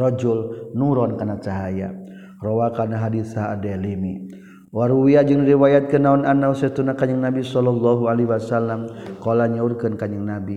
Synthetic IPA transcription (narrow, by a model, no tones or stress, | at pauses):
rɔd͡ʒulnuɾɔnkanat͡ʃaɦaja̰ | rɔwakanaɦadiθaadɛlimi | waɾuwiad͡ʒɨŋɾiwajat̪̚kənaunanausət̪unakaɲəŋnabisɔlɔlːaɦualiɦuwasalːamkɔlaɲaurkɨnkaɲəŋnabi